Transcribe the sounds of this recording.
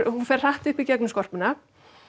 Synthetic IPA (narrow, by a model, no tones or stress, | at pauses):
hunfɛr̥r̥aht̪ʏhpicɛknʏskɔr̥pɪna